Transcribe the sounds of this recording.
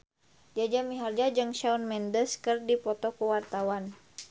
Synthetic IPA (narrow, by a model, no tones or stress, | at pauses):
d͡ʒad͡ʒamiɦard͡ʒad͡ʒɨŋʃaunmɛndəskɨrdipɔt̪ɔkuwart̪awan